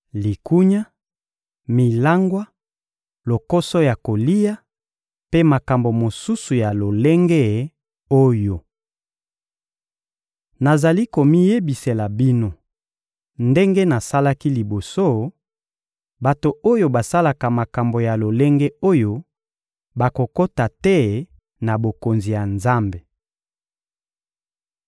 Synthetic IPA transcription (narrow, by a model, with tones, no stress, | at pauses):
li˨ku˦ɲa˦ | mi˨la˦ŋɡwa˦ | lo˨ko˦so˦ja˨ko˨li˦ja˦ | pe˦ma˨ka˨mbo˨mo˨su˦su˨ja˨lo˨le˦ŋɡe˦ | o˦jo˨ | na˨za˨li˦ko˨mi˦je˦bi˨se˨la˨bi˦no˦ | nde˦ŋɡe˦na˨sa˦la˦ki˦li˨bo˨so˦˨ | ba˨to˨o˦jo˦ba˨sa˦la˨ka˨ma˨ka˨mbo˨ja˨lo˨le˦ŋɡe˦o˦jo˦ | ba˨ko˨ko˦ta˨tɛ˦ | na˨bo˨ko˨nzi˨ja˨nza˦mbe˨